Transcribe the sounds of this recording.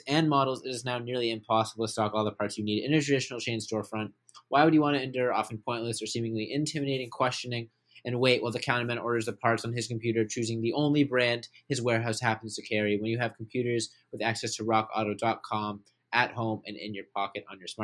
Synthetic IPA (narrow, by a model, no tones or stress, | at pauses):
ɨ̃nmɑɾl̩ˠzɪɾɨznaʊnɪɹlˠiɨ̃mpʰɑsəbl̩ˠtʰə̥stɑkɔlˠðəpʰɑɹtsjɨniɾɪ̰̃ñtə˞tʰɹ̥ɨdɪʃnl̩ˠt͡ʃʰẽɪ̃nstɔɹfɹʌ̃nʔ | waɪwɨd͡ʒjɨwɑ̃ñtɨɨ̃ndʊɹɑfn̩pʰɔ̃ɪ̃nʔˡlɨsə˞sĩmɪ̃ŋliʔɪ̃ntʰɪ̃mɨɾeɪɾɪ̃ŋkʰw̥ɛst͡ʃɨnɪ̃ŋ | ɨ̃nweɪʔ̚wʔaɪlˠðɨkʰãʊ̃əmɨ̃ñɔɹɾə˞zðɨpʰɑɹtsn̩ɨz̥kʰm̩pʰjʉɾə˞t͡ʃʰʉzɪ̃ŋðiʔõʊ̃nlibɹæ̃nd̥̚ɨzwɛɹɦaʊshæpn̩z̥tʰɨkʰɛɹiwə̃njɨːv̥kʰm̩pʰj̥ʉɾə˞z | wɨðæksɛstʰəɹɑkɑ̰ɾoʊdɑt̚kʰɑ̃m | ʔɨt̚hõʊ̃mɨ̰̃nɪ̰̃njə˞pʰɑkɨɾn̩jə˞smɑ